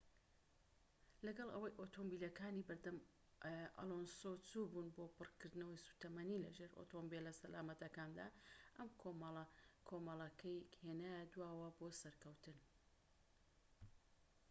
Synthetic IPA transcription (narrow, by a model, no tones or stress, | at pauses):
lɐɡɐlˠʔɐ̰wɐjʔoːt̪ʰombiːlɐkaːnibɨɾd̪ɐm | ʔɐ̰lˠonsot͡suːbuːnboːpɨrkɨɾd̪ɨnɐwɐjsu̥t̪ɐmɐnilɐ̰ʒe̞ɾo̰t̪ʰombelːɐsɐlaːmɐt̪ɐkaːnd̪a̰ʔɐmkʰomkʰoːmɐlˠɐkʰɐjkheːnaːjad̪waːwɐbosɐɾkɐwt̪ɨn